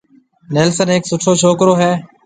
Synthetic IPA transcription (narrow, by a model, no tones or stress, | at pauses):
neːlsənɦeːksʊʈʰoːt͡ʃʰoːkɾoːɦɛː